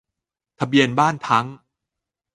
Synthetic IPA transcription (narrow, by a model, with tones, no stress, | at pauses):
t̪ʰa˧bi˧ənbaː˥˩nt̪ʰa˦˥ŋ